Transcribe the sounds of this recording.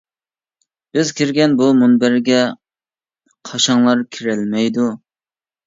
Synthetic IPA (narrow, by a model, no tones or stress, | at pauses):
b̥ɪzkʲʰiɾɡʲɛnbumunbæɾɡʲɛ | qʰɑʃɑŋlˠɑɾkʲʰiɾɛlmɛjd̪u